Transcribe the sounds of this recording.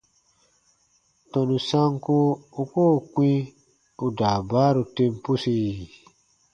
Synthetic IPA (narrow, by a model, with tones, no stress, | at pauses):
tɔ̃˨nu˨sa˦ŋko˦u˨ko˦˨kwĩ˦ | u˨daː˨baː˦ɾu˧tẽ˧mpu˦si˧